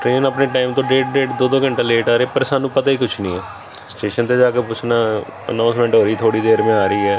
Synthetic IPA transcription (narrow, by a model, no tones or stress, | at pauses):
ʈɾeːnaːpneːʈaːɪmt̪õːɖeːʈ̚ɖeːʈd̪oːd̪õːkəɳʈeːleːʈaːɾeːpəɾsaːnũːpət̪aːiːkʊt͡ʃʰnĩːɛː | sʈeːʃənt̪eːd͡ʒaːkeːpʊt͡ʃʰnaː | ə̰nãːnsmɛ̃ːɳʈɦoːɾəiːt̪ʰoːɽiːd̪eːɾmẽːaːɾəiːɛː